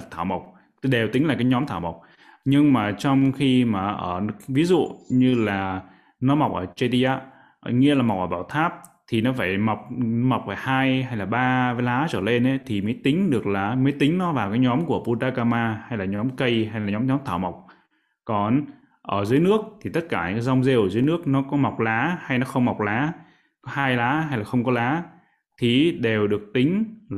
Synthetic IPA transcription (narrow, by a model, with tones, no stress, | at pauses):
t̪ʰaː˧˩wma˨˩wk͡p̚ | ɗe˨˩wt̪ï˨˦ŋ̟laː˨˩kaː˨˦jɲɔ˨˦mt̪ʰaː˧˩wma˨˩wk͡p̚ | ɲɨ˧ŋmaː˨˩t͡ɕɔ˧wŋ͡mxi˧maː˨˩ʔəː˧˩vi˨˦zṵ˧˨ɲɨ˧laː˨˩ | nɔ˨˦ma˨˩wk͡p̚ʔəː˧˩t͡ɕə˧t̪i˧ʔaː˨˧˦ | ŋi˧əlaː˨˩ma˨˩k͡p̚ʔəː˧˩ɓaː˧˩wt̪ʰaː˦˥p̚t̪ʰi˨˩nɔ˨˦faː˧˩jma˨˩wk͡p̚ma˨˩k͡p̚vaː˧˩jhaː˧jɦa˧jlaː˨˩ɓaː˧vlaː˨˦t͡ɕəː˧˩le˧nʔə˨˦t̪ʰi˨˩məː˨˦jt̪ï˨˦ŋ̟ɗɨ˨˩ək̚laː˨˩məː˨˦jt̪ï˨˦ŋ̟nɔ˨˦vaː˨˩wkaː˨˦jɲɔ˨˦mku˧˩əpu˧t̪aː˧kaː˧maː˧ha˧jlaː˨˩ɲɔ˨˦mkə˧jɦa˧jlaː˨˩ɲɔ˨˦mɲɔ˨˦mt̪ʰaː˧˩wma˨˩wk͡p̚ | kɔ˨˦n | ʔəː˧˩zɨ˨˦əjnɨ˦˥ək̚t̪ʰi˨˩t̪ə˦˥t̚kaː˧˩ɲɨ̰˨kːaː˨˦za˧wŋ͡mze˧wzɨː˨˦jnɨ˦˥ək̚nɔ˨˦kɔ˨˦ma˨˩wk͡p̚laː˨˦ha˧jnɔ˨˦xə˧wŋ͡mma˨˩wk͡p̚laː˨˦ | kɔ˨˦haː˧jlaː˨˦ɦa˧jlaː˨˩xə˧wŋ͡mkɔ˨˦laː˨˦ | t̪ʰi˨˩ɗe˨˩wɗɨ˨˩ək̚t̪ï˨˦ŋ̟